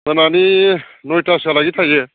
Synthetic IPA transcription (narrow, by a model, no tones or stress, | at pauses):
mənaninojtasalaɡit̪ʰajɡɛ